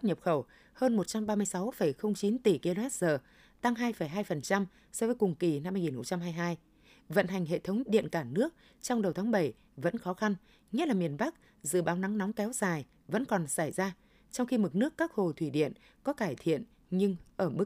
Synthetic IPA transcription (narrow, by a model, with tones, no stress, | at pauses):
ɲə˨˩p̚xə˧˩w | həː˧nmo˨˩t̚t͡ɕa˧mɓaː˧mɨ˧əjsa˨˦wfə˧˩jxə˧wŋ͡mt͡ɕi˨˦nt̪i˨˩ki˧lo˧ɛ˦˥t̚z̥əː˨˩ | t̪a˧ŋɦaː˧jfə˧˩jɦaː˧jfə˨˩nt͡ɕa˧m | sɔ˧vəː˨˦jkʊ˨˩ŋ͡mki˨˩na˧mːaː˧jŋi˨˩nxə˧wŋ͡mt͡ɕa˧mɦaː˧jɦaː˧j | və̰˧˨nɦa˨˩jŋ̟ɦḛ˧˨t̪ʰə˨˦wŋ͡mɗḭ˧˨ənkaː˧˩nɨ˦˥ək̚ | t͡ɕɔ˧wŋ͡mɗə˨˩wt̪ʰaː˨˦ŋɓə˧˩j | və̰˧˥nxɔ˨˦xa˧n | ɲɛ˦˥tlaː˨˩mi˨˩ənɓa˦˥k̚ | zɨ̰˧˨ɓaː˨˦wna˨˦ŋnɔ˨˦ŋ͡mkɛ˨˦wzaː˨˩j | və̰˧˥nkɔ˨˩nsa˧˩jzaː˧ | t͡ɕɔ˧wŋ͡mxi˧mɨ˨˩k̚nɨ˦˥əkːaː˦˥k̚ho˨˩t̪ʰwi˧˩ɗḭ˧˨ən | kɔ˨˦kaː˧˩jt̪ʰḭ˧˨ən | ɲɨ˧ŋʔəː˧˩mɨ˦˥k̚